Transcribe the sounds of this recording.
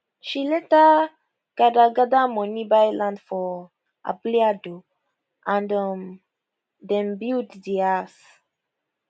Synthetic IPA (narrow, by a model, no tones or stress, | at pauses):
ʃilɛta | ɡ̥adaɡadamɔ̃nibajlãndfɔ | a̰bliado | ʔãndɔm | dɛ̃mbiltdias